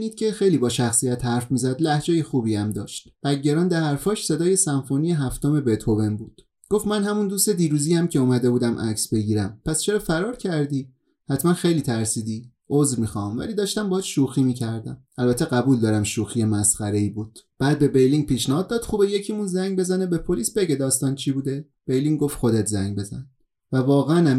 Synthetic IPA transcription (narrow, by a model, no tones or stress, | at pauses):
niːd̪̥̚cʲʰe̞xe̞jliːbɒːʃæxsijæt̪hæɾfmiːzæd̪læhd͡ʒejexuːbiæmd̪ɒːʃt̪b̥æɟːeɾɒːnd̪æhæɾfɒːʃse̞d̪ɒːje̞sænfoːnijeɦæft̪ome̞be̞t̪ʰove̞mbuːd̪̥ | ɡ̥o̞ft̪mænɦæmund̪ust̪ed̪iːɾuːziːjæmcʰe̞umæd̪e̞buːd̪æmʔæ̰csbe̞ɟiːɾæmpʰæst͡ʃʰe̞ɾɒːfæɾɒːɾcʰæɾd̪iː | hæt̪ʰmænxe̞jliːt̪ʰæɾsiːd̪iː | ʔozvmixɒmvæ̰liːd̪ɒːʃt̪æmbɒd̪ʃuːxiːmiːcʰæɾd̪æm | ælbæt̪ʰːeɣæbuːld̪ɒːɾæmʃuːxijemæsχæɾe̞iːbuːd̪̥b̥æːd̪̚be̞be̞jliŋɡ̚piːʃnæhɒːd̪ːɒːd̪̥xubeje̞cʰimunzæŋɟbe̞zænebe̞pʰo̞liːsbe̞ɟe̞d̪ɒːst̪ɒːnt͡ʃʰibud̪e̞ | b̥ejliŋɡo̞ft̪xo̞d̪et̪ʰzæŋɡbe̞zæ̰n | vævɒːɣeænæ